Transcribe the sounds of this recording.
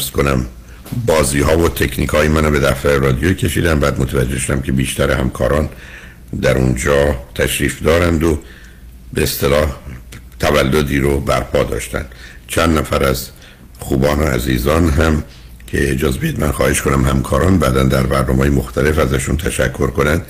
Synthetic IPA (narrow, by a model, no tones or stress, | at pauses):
fskonæm | bɒːziːɦɒːvot̪ʰe̞cʰniːkʰhɒːjemænobe̞d̪æft̪æɾerɒːd̪ijocʰe̞ʃiːd̪æmbæːd̪mot̪ʰævæd͡ʒːe̞hʃod̪æmcʰe̞biːʃt̪æɾehæmkʰɒ̰ːɾɒːn | d̪æɾund͡ʒɒːt̪ʰæʃɾiːfd̪ɒːɾænd̪o | be̞ːst̪e̞lɒːht̪ʰævælːo̞d̪iːɾobæɾpʰɒːd̪ɒ̰ːʃt̪æ̰nd̪̥ | t͡ʃʰænd̪næfæɾæz | xuːbɒːnoæ̰ziːzɒːnɦæm | cʰe̞d͡ʒɒːzbeid̪mænxɒːhe̞ʃko̞næmɦæmkʰɒːɾɒːnbæːd̪ænd̪æɾbæɾnɒːmːjemoxt̪æle̞fæzæʃunt̪ʰæʃækʰːo̞ɾko̞nænd̪̥